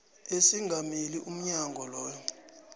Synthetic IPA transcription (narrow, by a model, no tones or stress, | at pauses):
esiŋɡʱamiliʔum̩ɲaŋɡʱɔlɔːjɔ